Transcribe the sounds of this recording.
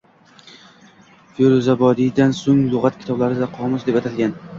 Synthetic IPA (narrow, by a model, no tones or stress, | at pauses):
feɾozabɒd̪ijd̪ansoŋlˠʊʁat̪̚kʲʰɪt̪ʰɒblaɾɪd̪aqʰɒmʊsd̪epat̪ʰad̪ɡʲan